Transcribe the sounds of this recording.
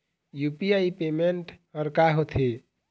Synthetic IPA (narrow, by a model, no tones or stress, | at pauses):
jupiaipemeɳʈəɾkaɦot̪ʰi